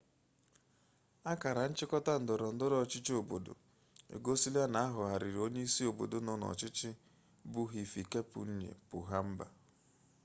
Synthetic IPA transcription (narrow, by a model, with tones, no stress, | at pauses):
a˦ka˨ɾa˨n̩˦t͡ʃɪ˦kɔ˦ta˦n̩˨dʊ˨ɾʊ˨n̩˦dʊ˦ɾɔ˦˨t͡ʃɪ˦t͡ʃo˨bo˨do̰˨ | ḛ˨ɡo˦si˦la˦na˨a˦ɦʊ˨ɦa˨ɾɪ˨ɾo˦ɲe˦i˦si˦o˨bo̰˨do˨nɔ˦nɔ̰˨t͡ʃɪ˦t͡ʃɪ˦ | bʊ˦ɦi˨fi˨ke˦pʊ̰˨n̩˦ɲḛ˨pʊ̰˨ɦa˦m̩˦ba̰˨